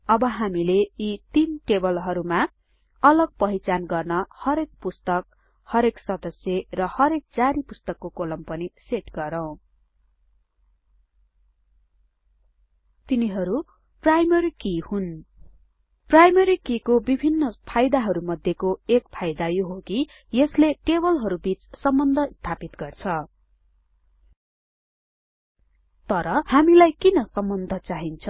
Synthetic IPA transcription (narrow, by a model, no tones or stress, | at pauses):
ʌbʌɦamileit̪inʈebʌlɦʌɾuma | ʌlʌɡ̚pʌɦit͡sanɡʌrnʌhʌɾek̚pust̪ʌk̚ | hʌɾeksʌd̪ʌsjerʌhʌɾek̚d͡zaɾipust̪ʌkːokolʌmpʌniseʈɡʌɾʌw̃ | t̪iniɦʌɾu | prajmʌɾikihun | prajmʌɾikikobibʱinːʌpʰajd̪aɦʌɾumʌd̪ʱjekoekpʰajd̪ajoɦoki | jʌsleʈebʌlɦʌɾubit͡ssʌmbʌnd̪ʱʌst̪ʰapit̪ɡʌrt͡sʰʌ | t̪ʌɾʌhamilajkinʌsʌmbʌnd̪ʱʌt͡saɦint͡sʰʌ